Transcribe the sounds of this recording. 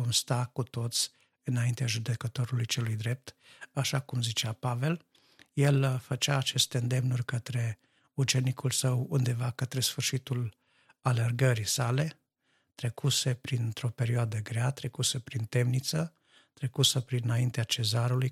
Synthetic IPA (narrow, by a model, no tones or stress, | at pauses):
omst̪akut̪o̞t̪sʲ | ɨnaint̪eaʒud̪e̞kət̪o̞ɾulujt͡ʃe̞lujd̪ɾe̞p̚t̪aʃakumzit͡ʃeapave̞l | je̞lfət͡ʃaːt͡ʃe̞st̪e̞ɨnd̪e̞mnurʲkət̪ɾe̞ | ut͡ʃe̞nikʰulsəwund̪e̞vakət̪ɾe̞sfɨrʃit̪ul | alerɡəɾisale̞ | t̪ɾe̞kʰuse̞pɾint̪ɾo̞pe̞ɾioad̪əɡɾeat̪ɾe̞kusəpɾint̪e̞mnit̪sə | t̪ɾekusəpɾinaint̪eat͡ʃe̞zaɾuluj